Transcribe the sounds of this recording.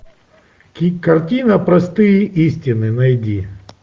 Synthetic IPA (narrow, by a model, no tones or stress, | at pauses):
kʲikɐrtʲinɐpɾɐst̪ɨjɪʔisʲtʲɪnɨnɐjdʲi